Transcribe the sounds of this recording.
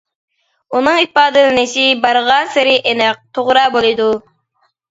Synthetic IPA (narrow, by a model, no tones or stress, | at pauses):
unɨŋipɑːd̪ɨnɨneʃibɑɾʁɑnsɪɾɪʔenɛq̚t̪ʰoʁɾɑːbolˠɨd̪u